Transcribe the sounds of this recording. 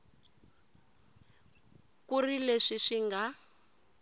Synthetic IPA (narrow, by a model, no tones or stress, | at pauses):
kurileʂiʂiŋɡa